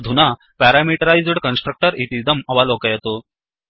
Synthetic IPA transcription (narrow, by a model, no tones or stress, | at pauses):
d̪ʱuna | pæɾamiʈəɾajzɽkənsʈɾək̚ʈəɾit̪id̪əmɐʋalokəjɛt̪o